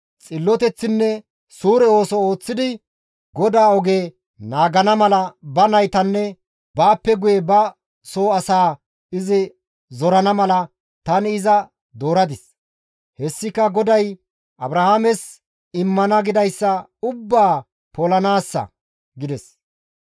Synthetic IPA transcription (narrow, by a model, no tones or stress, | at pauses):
t͡sʼɪlːɔt̪ɛt͡sːɪnːɛ | suːɾɛo̞ːsɔoːt͡sːɪd̪ɪ | ɡɔd̪aːɔɡe̞ː | naːɡɐnɐmɐlɐbɐnɐjt̪ɐnːɛ | baːpːɛɡʊjɛbɐ | soːɐsaː | ɪzɪ | zɔɾɐnɐmɐlɐ | t̪ɐnɪɪzɐ | d̪o̞ːɾɐd̪ɪs | hɛsːɪkɐɡɔd̪ɐj | ʔɐbɾɐhaːmɛs | ɪmːɐnɐɡɪd̪ɐjsːɐʊbːaː | polɐnaːsːɐ̰ | ɡɪd̪ɛs